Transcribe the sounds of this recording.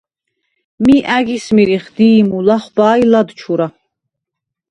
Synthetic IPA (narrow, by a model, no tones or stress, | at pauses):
miʔæɡismiɾiχd̪iːmulaχvaːjlad̪t͡ʃʰuɾa